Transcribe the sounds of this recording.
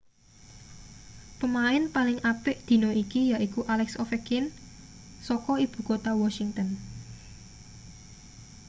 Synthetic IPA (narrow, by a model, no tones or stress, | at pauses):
pəmaɪnpalɪŋʔapɪʔd̪̥i̤nɔikijaʔikuʔalɛksɔfɛkɪn | sɔkɔib̥ṳkot̪awɔsiŋt̪ən